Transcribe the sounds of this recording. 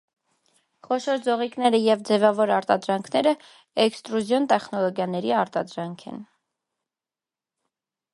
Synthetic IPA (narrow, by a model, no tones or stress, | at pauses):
χɔʃɔɾd͡zɔʁiknɛɾəjɛvd͡zɛvɑvɔɾɑɾt̪ɑd̪ɾɑŋkʰnɛɾə | ɛkst̪ɾuzjɔnt̪ɛχnɔlɔɡjɑnɛɾiɑɾt̪ɑd̪ɾɑŋkʰɛ̰n